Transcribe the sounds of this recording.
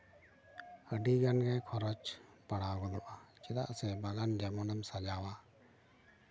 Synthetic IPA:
əɖiɡanɡajkʰɔɾɔt͡ʃpaɽaɡɔd̪ɔʔat͡ʃɛd̪a̰ʔsɛbaɡand͡ʒɛmɔnamsad͡ʒawa

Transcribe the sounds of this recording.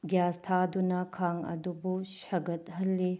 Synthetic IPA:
ɡjastʰadunɐkʰaŋɐ̰dubuʃɐɡɐt̪ɦɐlːi

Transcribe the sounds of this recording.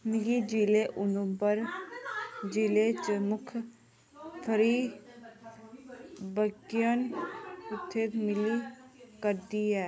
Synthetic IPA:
mɪɡid͡ʒiːleʔʊnõpəɾ | d͡ʒilet͡ʃəmʊkʰ | pʰəɾi | bəɡjənɪt̪ʰːet̪mɪlikəɾd̪iɦɛː

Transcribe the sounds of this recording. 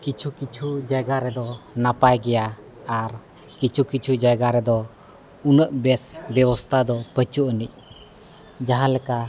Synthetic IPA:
kit͡ʃʰukit͡ʃʰud͡ʒajɡaɾɛd̪ɔnapajɡɛjaː | ɾ | kit͡ʃʰukit͡ʃʰud͡ʒajɡaɾɛd̪ɔ | unəʔbɛsbɛbɔst̪ʰad̪ɔpət͡ʃuʔənic̚ˀ | d͡ʒaɦãlɛka

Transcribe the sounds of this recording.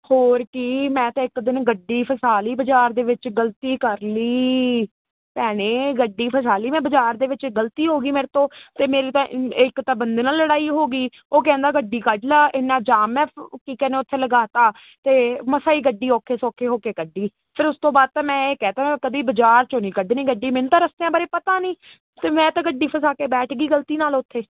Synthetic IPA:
hoːɾkɪmɛ̃ːt̪ãːɪkd̪ɪnɡəɖːiːpʰəsaːliːbəd͡ʒaːɾd̪eːʋɪt͡ʃɡəlt̪iːkəɾliː | pɛːɽ̃eːɡəɖːiːpʰəsaːliːmɛ̃ːbəd͡ʒaːɾd̪eːʋɪt͡ʃɡəlt̪iːɦoːɡiːmeːɾet̪õːt̪eːmeːɾiːt̪ãːʔɪkt̪ãːbənd̪eːnaːlːəɽaːiːɦoːɡiː | oːkɛ̃ːnd̪aːɡəɖːiːkəd͡ʒlaːʔɪnːãːd͡ʒaːmɛːpkiːkɛːnẽːʊt̪ʰːeːləɡaːt̪aː | t̪eːməsaːiːɡəɖːiːɔːkʰeːsɔːkʰeːɦoːkeːkəɖːiː | pʰɪɾʊst̪õːbaːd̪̚t̪ãːmɛ̃ːeːkɛːt̪aːmɛ̃kəd̪iːbəd͡ʒaːɾt͡ʃõːniːkəɖːniːɡəɖiːmenũːt̪aːɾəsd̪eːãːbəɾeːpət̪aːnĩː | t̪eːmɛ̃ːt̪ãːɡəɖiːpʰəsaːkeːbɛːʈʰɡiːɡəlt̪iːnaːlʊt̪ʰːeː

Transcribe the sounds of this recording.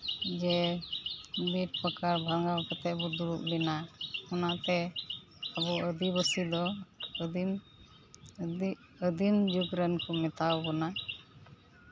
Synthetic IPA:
d͡ʒɛ | biʈ̚pəkaɾbʱalŋɡawpɔt̪ɛʔbɔd̪uɾuʔlɛnaɔnaʔt̪ɛ | abɔəd̪ibəsid̪ɔ | m | əd̪imd͡ʒuɡɾənkɔmɛt̪awbɔna

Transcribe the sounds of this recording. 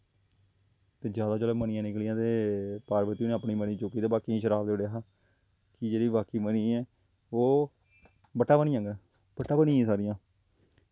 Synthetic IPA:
t̪eːd͡ʒjaːd̪aːt͡ʃoːleːmənɪjãːnɪklɪjãːt̪eːpaːɾʋət̪iːuːnẽaːpɳiːməniːt͡ʃoːkiːt̪eːbaːkiːĩːʃəɾaːbd̪eoɽeaɦaː | kɪd͡ʒeːɽiːbaːkiːməniːɛː | oː | bəʈːaːbənɪ̃jãːɡɛ | b̥əʈːaːbənĩːɛːsaːɾɪjãː

